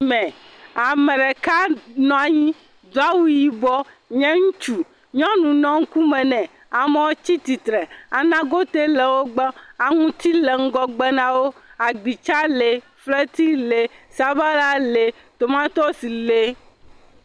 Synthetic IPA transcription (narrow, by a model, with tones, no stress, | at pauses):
mɛ̃˨a˨mɛ̃˨ɖɛ˨ka˦nɔ̃˨a˨ɲĩ˦ | d̪o˦a˦wu˦ji˨bɔ˦ | ɲɛ̃˦ŋũ˦t͡ʃu˨ | ɲɔ̃˦nũ˨nɔ̃˦ŋ̩˦ku˦mɛ̃˨nɛ̃˨ | a˨mɛ˦wo˦t͡ɕi˦t̪i˨t̪ɾɛ˨a˨nã˦ɡo˦t̪e˦le˨wo˦ɡ͡bɔ˦a˨ŋũ˦t̪i˦le˨ŋ̩˦ɡɔ˦ɡ͡bɛ˦nã˨wo˦a˨ɡ͡bi˨t͡ʃa˦le˨ | fle˦t̪i˦le˨sa˦ba˦la˦le˨ | t̪o˨mã˦t̪ɔ˦si˨le˦